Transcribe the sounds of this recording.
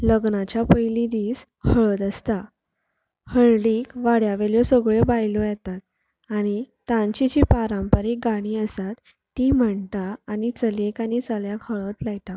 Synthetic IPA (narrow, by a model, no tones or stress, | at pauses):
ləɡnat͡ɕjapəjlid̪iːs | həɭət̪əst̪a | həɭliːkʋaɽjaʋeɭjɔsəɡɭebajlojɛt̪at̪̚ | aɽ̃it̪ãɲt͡ɕit͡ɕipaɾãmpəɾek̚ɡaɽ̃iːəsat̪ː | im̤əɳt̪aːnit͡səlekañit͡səljakhəɭət̪laɡt̪a